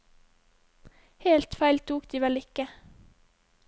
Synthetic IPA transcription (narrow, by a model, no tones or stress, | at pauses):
heːlt̪fæɪlt̪ʰuːkd̪̥iːʋɛlɪkə